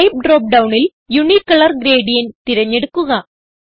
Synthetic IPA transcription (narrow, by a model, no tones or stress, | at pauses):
ɪp̚ɖɾoːp̚ɖɐʋʊnɪl | jʊnikːɐɭɐɾɡɪɾeːɖijɐnt̪ɪɾɐɲːɛɽɯkːɯɣɐ